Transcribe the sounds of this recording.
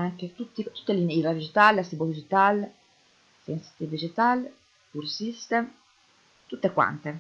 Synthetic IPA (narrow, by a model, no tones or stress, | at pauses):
aŋket̪ut̪ːit̪u̥t̪ːelineiɾad̪id͡ʒit̪aːlast̪ibod̪id͡ʒit̪al | sensi̥t̪id̪id͡ʒit̪al | puɾsist̪em | t̪ut̪ːekwa̰nt̪e